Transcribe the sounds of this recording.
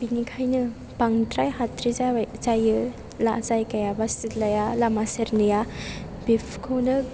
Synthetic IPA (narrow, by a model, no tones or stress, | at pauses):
binikʰajnɯ | paŋtɾajɦatɾizazajɯ | la̰zajkɐjabasitlɐjalamaseɾnɯja | bipʰkʰownɯ